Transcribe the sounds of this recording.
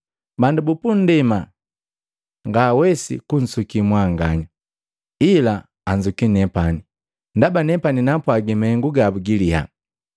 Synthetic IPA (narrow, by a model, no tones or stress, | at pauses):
bandubupundɛma | ŋɡawɛsḭkun̩sukimwaŋɡaɲa | ilaː | ɲd͡ʒukinɛpani | ndabanɛpaninapwaɡimɛŋɡuɡabuɡiliha̰